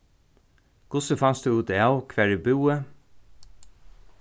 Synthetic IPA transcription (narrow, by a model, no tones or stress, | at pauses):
ɡ̥ʊsəfɑnsd̪ʉːʉːt̪iɑʊkʰʋæːɹiːbʉːə